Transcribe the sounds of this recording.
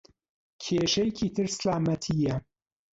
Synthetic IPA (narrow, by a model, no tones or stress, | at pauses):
kʰeːʃɐjcʰiːt̪ʰɨɾslaːmɐt̪ʰijɐ